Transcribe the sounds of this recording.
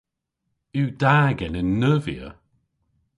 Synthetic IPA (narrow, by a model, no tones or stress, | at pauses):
ʉːd̥aːɡɛnɪnːəːvḭə̰